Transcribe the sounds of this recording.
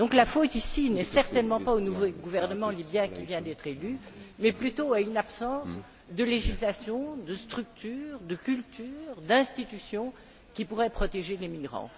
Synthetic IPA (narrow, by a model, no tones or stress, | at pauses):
d̪ɔ̃klafot̪isinɛsɛʁt̪ɛnmɑ̃paonuvoɡuvɛʁnəmɑ̃libjɛ̃kʲivjɛ̃d̪ɛt̪χelymɛplyt̪oaynapsɑ̃s | d̪əleʒislasjɔ̃d̪əst̪χyk̚t̪yːʁd̪əkʲylt̪ʰyːʁd̪ɛ̃st̪it̪ysjɔ̃ | kʲipuʁɛpχɔt̪eʒelemiɡʁɑ̰̃